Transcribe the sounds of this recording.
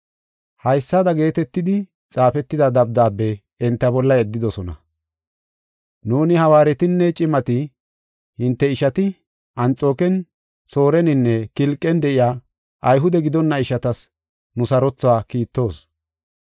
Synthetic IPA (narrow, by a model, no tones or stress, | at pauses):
hɐjsːad̪ɐɡe̞ːt̪ɛt̪ːɪd̪ɪ | t͡sʼaːfɛt̪ːɪd̪ɐd̪ɐb̚d̪aːbːɛː | nt̪ːɐbɔlːɐɛd̪ːɪd̪ɔsɔnɐ̰ | nuːnɪhɐwaːɾɛt̪ɪnːɛt͡ʃʼɪmɐt̪ɪ | hɪnt̪ːɛɪʃɐt̪ɪ | ɐnt͡sʼo̞ːkɛn | so̞ːɾɛnɪnːɛkɪlkʼːɛnd̪ɛʔɪjaː | ʔɐjɦʊd̪ɛɡɪd̪ɔnːɐɪʃɐt̪ɐs | nʊsɐɾɔt͡sːʊaːkiːt̪ːo̞ːs